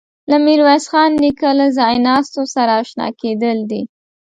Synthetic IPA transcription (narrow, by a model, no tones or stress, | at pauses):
lamiɾwasxɑnːikalazɑjnɑst̪osaɾaːʃnɑ̰ked̪əld̪i